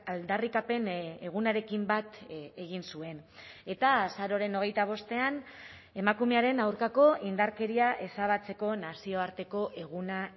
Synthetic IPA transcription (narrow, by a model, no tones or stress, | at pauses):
ald̪arikape̞ne̞ɣ̞unaɾe̞kimbat̪e̞ɣ̞insue̞ne̞t̪aːsaɾo̞ɾe̞no̞ɣ̞e̞jt̪aβ̞o̞st̪e̞an | e̞makume̞aɾe̞nawɾkako̞ʔind̪aɾke̞ɾiaʔe̞saβ̞at͡se̞ko̞nasio̞aɾt̪e̞ko̞ʔe̞ɣ̞una